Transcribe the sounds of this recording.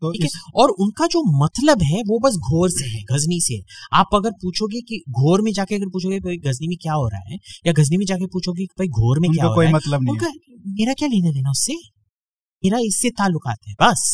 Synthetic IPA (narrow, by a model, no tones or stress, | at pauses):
ikɛɔːɾʊnkad͡ʒoːmɐt̪ləbɦɛʋobɐs̬ɡʱoːɾseɦɛːɡʱɐzniseɦɛ̰aːpɐɡəɾpuːt͡ʃʰoːɡikiɡʱoːɾmẽd͡ʒaːkeɐɡəɾpuːt͡ʃʰoɡebɐiɡʱɐznimẽkjaːɦoːɾa̰a̰ɦɛ̰ːjaɡʱɐznimẽd͡ʒaːkepuːt͡ʃʰoɡikibɐiɡʱoːɾmẽʊnkjakaɦːkoːimɐt̪ləbnɐʊnkameːɾakjaːleːneleːnaʊsːe | meːɾaɪsːet̪aːlːʊka̰ːt̪ɦɛbɐs